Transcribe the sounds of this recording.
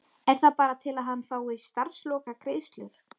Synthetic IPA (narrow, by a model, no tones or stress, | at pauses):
ɛɾ̥θaðpaːɾat̪ʰɪlaðɦanːfaːwɪst̪aɾ̥slɔːkakʰɾeːjst̪lʏɾ̥